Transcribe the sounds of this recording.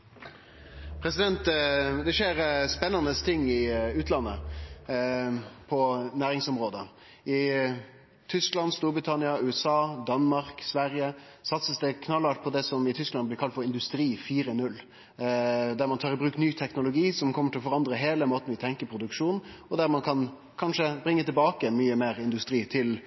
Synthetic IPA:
pʰɾɛsɪd̪ɛnt̪d̪ɛʂeːɾspɛnːɑnəst̪ʰɪŋːɪʉːt̪ʰlɑnːə | pʰɔnæːɾɪŋsɔmɾoːd̪ə | ɪ | t̪ʰʏsklɑnst̪uːɾbɾɪt̪ʰɑnɪɑʉːɛsɑːd̪ɑnmɑɾksʋæɾjə | sɑt̪səsd̪ɛkʰnɑlːɑʈ̪̚pʰɔd̪ɛsɔmɪt̪ʰʏsklɑnblɪkɑlt̪fɔɾɪnd̪ʉst̪ɾiːfiːɾənʉlː | d̪æɾmɑnt̪ʰɑːɾɪbɾʉːknyːt̪ʰɛknʊlʊɡiːsɔmkʰɔmːəʈʰɪlɔfɔɾɑnd̪ɾəɦeːləmoːt̪n̩ʋɪt̪ʰɛŋkəɾpʰɾʊd̪ʉkʂuːn̩ɔd̪æɾmɑnkʰɑn | kʰɑnʂəbɾɪŋːət̪ʰɪlbɑːkəɛnmyːəmeːɾɪnd̪ʉst̪ɾiːt̪ʰɪl

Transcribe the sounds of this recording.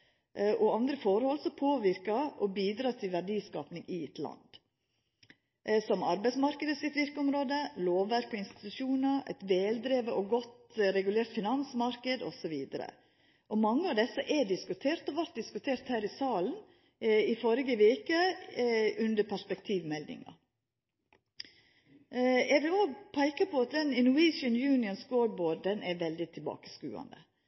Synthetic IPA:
ʔʔɔɑnd̪ɾəfɔɾhɔlsɔpʰoːʋɪɾkɑʔɔbiːd̪ɾɑːt̪ʰɪlʋæɖiːskɑ̰ːpnɪŋʔɪɛt̪ʰlɑ̰nd̪̥ | sɔmɑɾbæɪsmɑɾkəd̪əsɪt̪ʋɪɾkəɔmɾoːd̪əloːʋːæɾkɔɪnst̪ɪ̥t̪ʉʂuːnəɾɛ̰t̪ʋeːld̪ɾeːʋəʔɔɡɔt̪ɾɛɡʉleːɾt̪fɪnɑnsmɑɾkəd̪ɔ̰sɔʋiːd̪əɾə̰ | ʔɔmɑŋːəɑʋd̪ɛsːəʔɛɖɪskʉt̪ʰeːɾt̪ɔʋæɾʈ̪̚d̪ɪskʉt̪ʰeːɾt̪hæːɾɪsɑːlən̩ | ɪfɔɾɪɡəʋeːkə | ʉnd̪əɾpʰæspɛkt̪ʰiːʋmɛld̪ɪ̰ŋɑ̰ | ɛʋɪloːpʰæɪkəpʰɔɑt̪̚d̪ɛnɪnʉiːʃənjʉːnɪənskoːɖ̪̚boːɖdɛnʔɛɾʋɛld̪ɪt̪ʰɪlbɑ̰ːkə̥skʉ̰ːɑ̰nd̪ə̰

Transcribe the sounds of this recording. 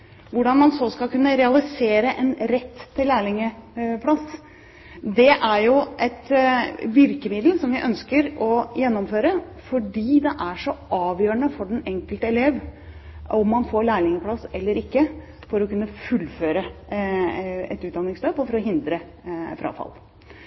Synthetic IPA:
ʋʊɖɑnmɑnsɔskɑlkʰʉnːəɾɛɑlɪseːɾəʔɛnɾɛt̪ːʰɪlːæːɭɪŋəpʰlɑs | d̪ɛʔæɾjʊʔɛt̪ʋɪɾkəmɪd̪l̩sɔmʋɪʔœnskəɾɔjɛnːɔmføːɾəfɔɖiːd̪ɛʔæʂɔɑːʋjøːɾəɳəfɔɖɛnɛŋkəlt̪əɛleːʋ | ɔmːɑnfoːɭæːɭɪŋəpʰlɑsɛlːəɾɪkːə | fɔɾɔkʉnːəfʉlːføːɾə | ɛt̪ʉːt̪̚d̪ɑnːɪŋsløːpɔfɔɾɔɦɪnd̪ɾə | fɾʔɑ̰ːfɑ̰l

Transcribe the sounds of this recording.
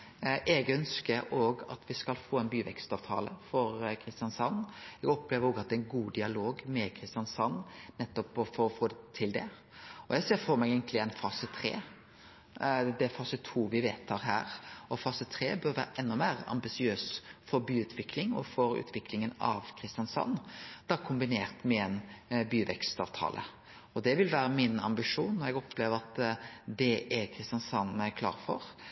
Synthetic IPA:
ʔɛɡœnskəɾoːɡɑ̰t̪ʰʋɪskɑlfoːɛnbyːʋɛ̰kst̪ɑːʋt̪ʰɑ̰ːlə̰fɔɾkʰɾɪst̪ɪɑnsɑnːɛɡɔpːleːʋəɾoːɡɑt̪̚d̪ɛɛnɡuːd̪ɪɑloːɡmɛkʰɾɪst̪ɪɑnsɑnːnɛt̪ːɔpɔfɔɾɔfoːd̪ɛt̪ʰɪld̪ɛ | ɔjɛɡseːɾfɔɾmɛɡɛːɡənt̪lɪɛnfɑːsət̪ʰɾḛː | d̪ɛfɑːsət̪ʰuːʋɪʋeːt̪ʰɑːɾɦæ̰ːɾɔfɑːsət̪ʰɾḛːbœɾʋæ̰ːɾəʔɛnːɔmeːɾɑ̰mbɪsɪøːsfɔɾbyːʉːt̪ʰʋɪkʰlɪŋɔ̰fɔɾʉ̰ːt̪ʰʋɪkʰlɪŋənɑ̰ʋkʰɾɪst̪jɑnsɑ̰nːd̪̥ɑːkʰʊmbɪnḛːɾt̪mɛɛnbyːʋɛkst̪ɑːʋt̪ʰɑ̰ːlʔə̰ | ɔd̪ɛʋɪlʋæːɾəmɪnɑ̰mbɪʂuːnːɔɾɛɡɔpʰːleːʋəɾɑt̪d̪ɛʔɛɾkʰɾɪst̪jɑnsɑnːmæɪkʰlɑ̰ːɾfɔɾ

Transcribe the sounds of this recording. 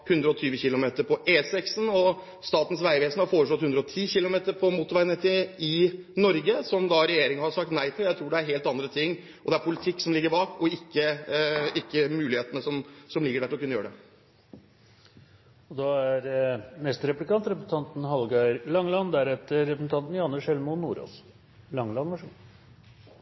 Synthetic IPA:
hʉnd̪ɾəɔt̪ʰyːʋəçɪlʊmeːt̪əɾpʰɔʔeːsɛksn̩ɔ | st̪ɑːt̪n̩sʋæɪʋeːsnəhɑɾfoːɾəʂɭɔt̪hʉnd̪ɾɔt̪ʰiːçɪlʊmeːt̪əɾpʰɔmuːt̪ːʊʋæɪnɛt̪ɪɪnɔɾɡəsɔmd̪ɑɾɛjeːɾɪŋəhɑɾʂɑk̚t̪næɪfɔljæɪt̪ʰɾuːɖɛæɾɦeːlt̪ɑnd̪ɾət̪ʰɪŋː | ɔd̪ɛæɾpʰʊlɪt̪ʰɪkːsɔmlɪɡːəɾbɑːkɔɪkːə | ɪkːəmʉːlɪheːt̪ənəsɔmsɔmlɪɡəɖæɾʰɪlɔkʉnəjøːəɖɛ | ɔd̪ɑæɾnɛst̪əɾɛplɪkʰɑnt̪ɾɛpɾsn̩t̪ʰɑnt̪n̩hɑlɡɑɪlɑŋlɑnd̪æɾɛt̪ːəːɛpɾəsn̩t̪ɑnt̪n̩jɑnːəʂɛlmʊnːṵːɾo̰s | lɑŋːlɑnʋɑʂ

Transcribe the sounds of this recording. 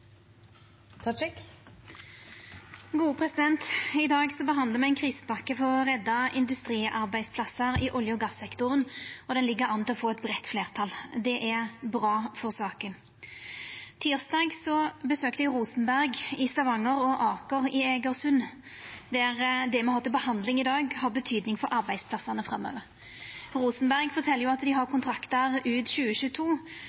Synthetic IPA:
ɡuːəpʰʁɛsɪd̪ɛnt̪ɪd̪ɑːɡsɔbəɦɑnd̪ləʁmɛɪnkʰʁiːspɑkːəfɔʁɔʁɛd̪ːɑɪnd̪ʉst̪ʁiːʔɑʁbæɪspʰlɑsəʁɪʔɔljəɔɡɑsːɛkt̪ʊʁənɔd̪ɛnlɪɡːəʁɑnt̪lɔfoːɛt̪bʁɛt̪ːfleːʁt̪ʰɑld̪ɛʔæbʁɑːfɔʁsɑːkən | t̪ʰiːʁsd̪ɑːɡsɔbəsøːkt̪əʁuːsənbæʁɡɪst̪ɑʋɑŋːəʁɔʔɑːkəʁɪɛɡəʁsʉn | d̪ɛæʁd̪ɛmɛhɑʁt̪ɪlbəhɑnd̪lɪŋɪd̪ɑːɡhɑʁbət̪ʰyːd̪nɪŋfɔɾʔɑʁbæɪd̪spʰlɑsːɑnəfʁɑmːø̰ːʋəʁ | ʁuːsnbæʁɡfɔʁt̪ʰɛlːəʁjʊɑt̪d̪ɪɦɑʁkʊnt̪ʰɾɑkt̪əʁʉːd̪ɕʉːəɕʉːt̪ʰuː

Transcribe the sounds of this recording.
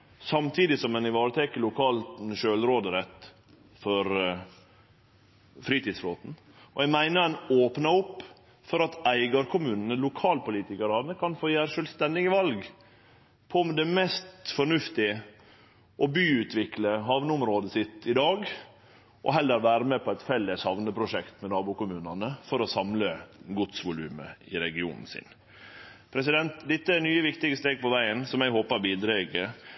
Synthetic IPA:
sɑmt̪ʰiːd̪ɪsɔmɛnɪʋɑːɾət̪ʰɛkəlʊkʰɑːlt̪nʃøːlɾoːd̪əɾɛt̪ | fɔɾ | fɾiːt̪iːd̪sfɾoːt̪n̩ | ɔɛɡmæɪnəɾɛnoːpnɑʊpː | fɔɾɑt̪ʰæɪɡɑɾkʰʊmʉːnən̩əlʊkʰɑːlpʊliːt̪ɪkəɾɑʋnəkʰɑnfoːjæːɾʂœːlst̪ɛnd̪ɪɡəʋɑlɡ | pʰɔmd̪ɛmɛst̪fɔɳʉft̪ɪ | ʔɔbyːʉt̪ʰʋɪkləɦɑʋnəʊmɾoːd̪əsɪt̪ɪd̪ɑːɡ | ʔɔ̰ɦɛlːəɾʋæːɾəmɛpɔæɪt̪fɛlːəsɑʋnəpʰɾʊʂɛkt̪mɛnɑːbʊkʊmʉːnɑnəfɔɾɔsɑmləɡʊt̪sʋʊlʉːmə̰ɪɾɛɡɪṵːnn̩sɪ̰n | pʰɾɛsɪd̪ɛnt̪d̪ɪt̪ːəænyːəʋɪkt̪ɪɡəst̪eːɡ̚pɔʋæɪənsɔmjæɪhoːpɑɾbiːd̪ɾɛːɡə

